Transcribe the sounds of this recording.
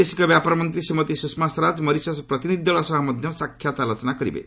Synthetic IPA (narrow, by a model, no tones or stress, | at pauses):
esi̥kɔbjapɔɾmɔnt̪ɾisimɔt̪isusmasɾad͡ʒmʌɾisɔspɾʌt̪inid̪ʱɔɭɔsɔɦɔmɔd̪ʱjɔsakʰjat̪alot͡ʃɔnakɔɾḭbḛ